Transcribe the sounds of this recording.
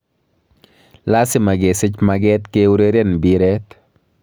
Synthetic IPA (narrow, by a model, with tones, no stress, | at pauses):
la˦sɪ˨ma˨ɡe˨sɪ˦t͡ʃmaɡɛ˦t̪keu˦ɾe˦ɾe˦nbiɾɛt̪